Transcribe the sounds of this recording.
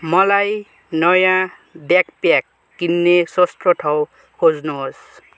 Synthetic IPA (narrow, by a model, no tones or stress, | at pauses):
mʌlaj | nʌjã | bjakpjakː | inːesost̪ɔʈʰʌw | kʰod͡znus